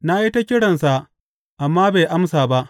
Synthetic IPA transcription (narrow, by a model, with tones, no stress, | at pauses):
na˦ji˦ta˦kʲɪ˦ɽɐ˨nsa˨ʔ | ʔa˨mːaː˦be˨ʔa˦msaː˨ba˦ʔ